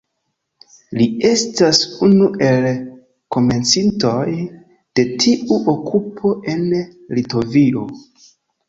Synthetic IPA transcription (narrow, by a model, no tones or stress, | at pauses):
lie̞stasunuʔe̞l | ko̞me̞nt͡sinto̞j | d̥e̞tʰiʔuʔokʰupʰo̞ʔe̞nlito̞vio̞